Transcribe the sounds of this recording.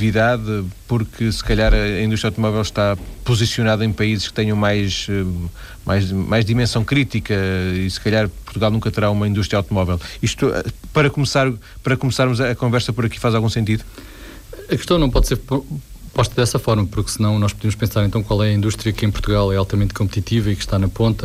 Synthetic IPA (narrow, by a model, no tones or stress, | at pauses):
viðaðpuɾkʰɨsɨ̥kɐʎaɾɐɐĩduʃt̪ɾjawt̪umɔvɛlˠʃt̪apuzisjunaðɐẽj̃pɐizʃkɨ̥t̪ɛɲɐ̃w̃majʃɛ | mʔa̰jʒmajʒðimẽsɐ̃w̃kɾit̪ikɐisɨ̥kɐʎaɾpuɾt̪uɣalˠnũkɐt̪ɨɾaumɐĩnd̪uʃt̪ɾjawt̪umɔvɛlˠiʃt̪ṵpɐɾɐkumsaɾ | pɐɾɐkumsaɾmuzɐːkõvɛɾsɐpɔɾɐki̥fazalˠɣũsẽnt̪iðu | ɐkɨʃt̪ɐ̃w̃nɐ̃w̃pɔðseɾpupɔʃt̪ɐðɛsɐfɔɾmɐpuɾksɨnɐ̃w̃nɔʃpuðemuʃpẽsaɾẽnt̪ɐ̃w̃kwalˠɛɐĩnd̪uʃt̪ɾiɐkẽj̃puɾt̪uɣalˠɛalˠt̪ɐmẽnt̪̚kõmp̚t̪it̪ivɐikʃt̪anɐpõnt̪ɐ